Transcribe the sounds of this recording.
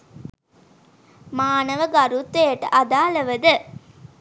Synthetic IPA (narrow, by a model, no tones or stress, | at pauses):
maːnɐʋəɡɐɾut̪ːejɐʈəʔɐd̪aːləʋəd̪ɨ